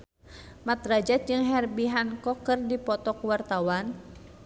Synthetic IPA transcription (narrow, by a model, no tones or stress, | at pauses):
mat̪rad͡ʒat̪̚d͡ʒɨŋɦɛrbiɦankɔkɨrdipɔt̪ɔkwart̪awan